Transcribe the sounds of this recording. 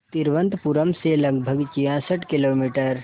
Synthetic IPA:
t̪iɾʋə̃nt̪puɾəmseləɡbʱəɡt͡ʃijãsəʈkɪloːmiːʈəɾ

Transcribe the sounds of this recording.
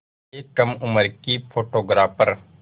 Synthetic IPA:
eːkːəmʊməɾkipʰoːʈoːɡɾaːpəɾ

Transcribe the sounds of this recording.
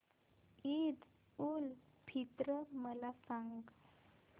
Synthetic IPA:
id̪ | ulpʰit̪ɾəməlasaŋɡ

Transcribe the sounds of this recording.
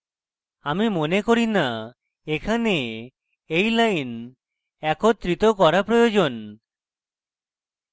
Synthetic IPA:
amimonekoɾina | ekʰane | ejlajn | ɛkot̪ɾit̪okɔɾapɾojod͡ʒon

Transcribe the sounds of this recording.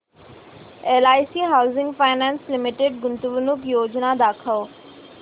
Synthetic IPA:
elaːjsiɦaːʊzɪ̃ŋɡfaːɪnaːnslɪmɪʈeɖɡʊnt̪uʋnʊkjoːd͡ʑnad̪aːkʰəʋ

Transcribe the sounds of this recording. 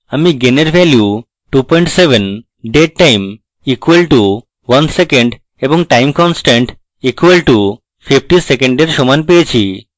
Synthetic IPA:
amiɡeneɾʋɛlju | ʈupɔjɳʈseʋən | ɖeʈ̚ʈajm | ikʋəlʈu | ʋɐnsekə̃ɳɖ | ebɔŋʈajmkɔnsʈẽɳʈ | ikʋəlʈu | fifʈisekẽɳɖeɾʃɔmanpejt͡ɕʰi

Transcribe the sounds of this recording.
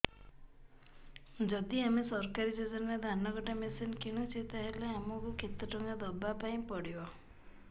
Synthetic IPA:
d͡ʒɔd̪iamesɔɾkaɾid͡ʒed͡ʒɔnad̪ʱanɔɡɔʈamesinkiɽ̃ũt͡ʃʰet̪aɦeleamɔkukʰit̪ɔʈɔŋɡad̪ɔbapaĩpɔɽibɔ

